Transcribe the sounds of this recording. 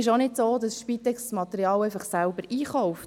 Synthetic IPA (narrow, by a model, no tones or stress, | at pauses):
ɪʃonɪdsoːd̪ɑsʃpit̪ɛkssmɑt̪ɛɾiɑːlɛɪfɑχsælbəɾʔiːχɔʊft